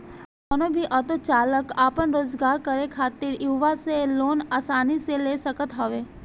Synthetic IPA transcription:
donobʱiʔɐt̪ot͡ʃaːləkaːpənɾoːzɡaːɾkəɾekʰaːt̪ɪɾjuːʋaseloːnaːsaːniseleːsəkət̪ɦɐʋeː

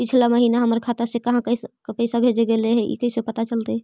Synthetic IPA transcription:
pit͡ʃʰlaməɦinaɦəməɾkʰat̪asekəɦãkəkpəɪsabʱed͡ʒeɡeleɦɛʔḭkəɪsepət̪at͡ʃəlt̪eɦɛ

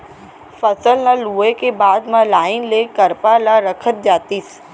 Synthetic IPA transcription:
fɐsəlnaluːekebaːd̪mãlaːɪnlekəɾpalaɾəkʰət̪̚d͡ʒaːt̪iːs

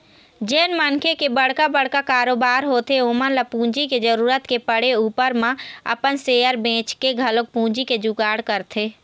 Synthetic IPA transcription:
d͡ʒeːnmənkʰekebəɽkabəɽ̤kakaːɾoːbaːɾɦoːt̪eoːmənləpũːd͡ʒiked͡ʒəɾuːɾət̪kepəɽeuːpəɾmẽə̰pənseːjəɾbẽːt͡ʃkeɡʱəlok̚pũːd͡ʒiked͡ʒuɡaːɽkəɾt̪ʰeː

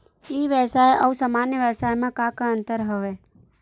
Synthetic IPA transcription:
iʋjəsaːjʔəusaːmanjəʋəsaːjmãkakãə̃nt̪əɾɦəʋe

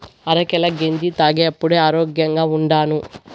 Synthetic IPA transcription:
ɐɾɐkɛlɐɡeɲd͡ʒ̪it̪aːɡeːɐpːuɽeːaːɾoːɡjɐŋɡaːuɳɖaːnu

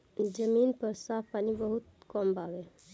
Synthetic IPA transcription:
d͡ʒəminpəɾsapʰpanibəɦut̪̚kɔmbabe

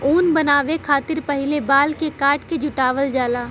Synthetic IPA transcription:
uːnbɐnaːʋekʰaːt̪ɪɾpɐɦɪlebaːlkekaːɾʈked͡ʒʱʊʈaːʋəld͡ʒaːlaː

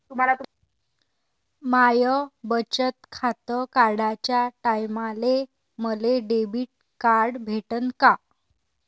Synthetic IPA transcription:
t̪um̤alat̪ | majəbət͡ɕət̪̚kʰat̪əkaɾɽat͡ɕjaʈajmale | məleɖebiːʈ̚ | kaɾɽbʱeʈənka

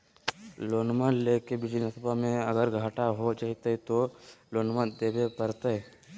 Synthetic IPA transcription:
loːnməleːkebɪd͡ʒnəsəbʱamẽɐɡəɾɡʱaːʈaɦot͡ʃaːɦit̪əit̪oloːnməd̪eːbepəɾt̪a

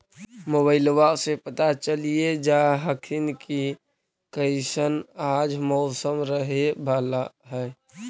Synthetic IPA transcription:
moβaɪlwasepət̪at͡ʃəlijed͡ʒaɦəkʰinki | kəɪsənaːd͡ʒmɔʊsəmɾəɦebʱaːlaɦɛ

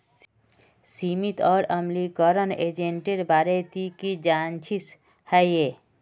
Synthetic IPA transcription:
simit̪ɔːɾəmlikɔɾəned͡ʒeɳʈeɾbaɾet̪ikid͡ʒant͡ʃʰis | hɛje

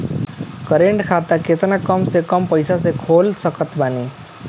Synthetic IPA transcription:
kəɾeɳɖkʰat̪aket̪nakʌmsekʌmpəjsas̬ekʰoːlsəkət̪baːni

